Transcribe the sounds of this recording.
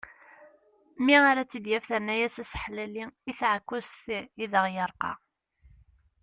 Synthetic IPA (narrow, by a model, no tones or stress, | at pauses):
miaɾat͡sːid̪jæfθəɾnæjæsæsħlæliiθʕəkʷːʊsθiðəʁjəɾˤqɑ̰